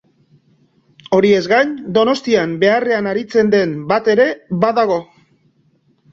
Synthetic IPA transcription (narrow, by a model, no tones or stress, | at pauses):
o̞ɾie̞zɣajnd̪o̞no̞st̪iambe̞are̞anaɾit͡se̞nd̪e̞mbat̪e̞ɾe̞βaðaɣ̞o̞